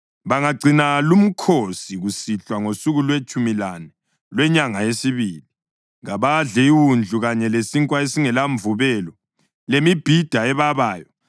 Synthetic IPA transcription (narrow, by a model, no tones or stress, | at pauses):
βaŋaɡ͡ǀʱinalum̩kʰosiɣusiɬwaŋosuɣulwet͡ʃʼumilanɛ | lwɛɲaŋaesiβili | ɣaβaɮɛiwund͡ɮʱuɣaɲɛlesiŋkʼwaesiŋɛlaɱvuβɛlɔ | lemib̥ʱid̥ʱaɛβaβaːjɔ